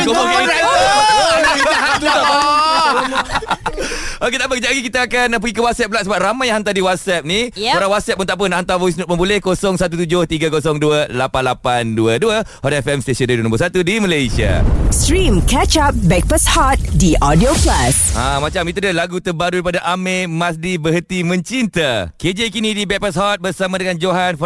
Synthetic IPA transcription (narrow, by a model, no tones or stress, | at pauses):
koɔŋkia | aaaɦat̪ | oket̪apəkəd͡ʒaɡikit̪aːkanap̬əɡikəwat̪̚sɛp̚laʔ̪̚səbap̚ramãjaɦant̪adiwat̪̚sɛp̚nĩoɾaŋwat̪̚sɛp̚mənt̪aʔp̬ənahant̪abois̬nut̪̚mə̃mbulɛhkosɔŋsat̪ut̪ud͡ʒʊht̪iɡakosɔŋduəlapanlapanduəduəhɔt̪ɛfɛmst̪esɔndaidunombusat̪udiməlajsia̰stɾĩmkɛt͡ʃap̚bɛk̚pashɔt̪̚diʔɔdioplasãmãt͡ʃamit̪udalaɡut̪əbaɾuɾipadaʔamemasdibəɦət̪imə̃ɲt͡ʃint̪əked͡ʒekinĩdibɛk̚pashɔt̪̚bərsamãdəŋand͡ʒoɦanf